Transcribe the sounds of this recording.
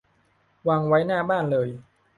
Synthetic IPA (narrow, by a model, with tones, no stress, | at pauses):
wa˧ŋwa˦˥jnaː˥˩baː˥˩nlɤː˧j